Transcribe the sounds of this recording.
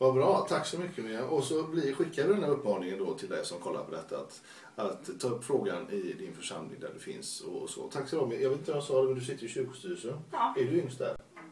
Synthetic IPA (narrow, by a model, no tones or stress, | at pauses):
vabɾɑːt̪ʰakːsɔmʏkʰːəmɪaʔɔsɔblɪɧɪkːad̪əd̪ɛnhæːɾɵpːmɑːnɪŋənd̪ɔt̪ʰɪld̪ɛ̰jsɔmkʰɔlːa̰ɾpɔd̪ɛt̪ʰːaa̰t̪ | at̪ʰːɑːɵpːfɾoːɡanɪd̪ɪnfœʂa̰mlɪ̰ŋd̪æ̰ɖɵfɪ̰nsɔ̰sɔ̰t̪ʰakːslɔmɛjɑːɡet̪ɪt̪vamjasɑːd̪ɛmɛnd̪ɵs̬ɪt̪ːəɾɪɕʏɾkʊ̥st̪yːɾəsənæɖɵʏŋst̪̚d̪æ̰ɾ